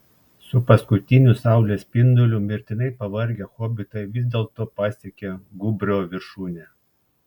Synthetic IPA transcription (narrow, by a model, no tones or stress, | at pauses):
sʊpɐskʊt̪ʲɪnʲusɑˑʊlʲeːspʲɪnd̪ʊlʲʊmʲɪɾʲt̪ʲɪnɐɪpɐʋɐɾʲɡʲɛxoːbʲɪt̪ɐɪʋʲɪzd̪ʲeːlˠt̪oːpɑːsʲɛkʲeɡʊbʲɾʲoːʋʲɪɾʃuːnʲe